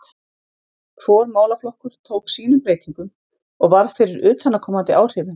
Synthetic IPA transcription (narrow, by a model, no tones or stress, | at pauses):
kʰvɔːɾmaːwlaflɔhkʏɾ̥t̪ʰoːwksiːnʏmpɾeːjt̪iŋkʏm | ɔɣvaɾfɪɾɪɾʏːt̪ʰanːakʰɔːmant̪ɪʔaːwr̥ɪːvʏ